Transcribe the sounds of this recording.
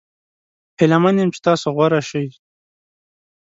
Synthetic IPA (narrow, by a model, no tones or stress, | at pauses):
helamanjemt͡ʃe̥t̪ɑsoɣwaɾaʃəj